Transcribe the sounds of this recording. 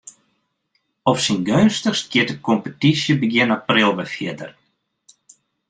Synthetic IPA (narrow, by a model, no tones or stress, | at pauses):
ɔfsinɡønstəxstɡ̥jɪətəkɔmpətisjəbəɡjɪnaprɪlˠʋɛfjɪədər